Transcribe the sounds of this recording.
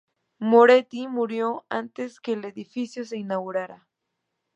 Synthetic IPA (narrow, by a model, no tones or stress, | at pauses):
moɾet̪imuɾjoant̪eskeːleðifisjos̬einaɣuɾaɾa